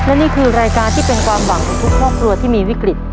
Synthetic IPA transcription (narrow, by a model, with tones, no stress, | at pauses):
lɛ˦˥niː˥˩kʰɯː˧ɾaː˧jkaː˧nt̪ʰiː˥˩pe˧nkʰwaː˧mwa˨˩ŋkʰɔː˨˩ŋk̪ʰu˦˥kʰɾɔː˥˩p̚kʰɾu˧ɐt̪ʰiː˥˩miː˧wi˦˥kɾi˨˩t̪̚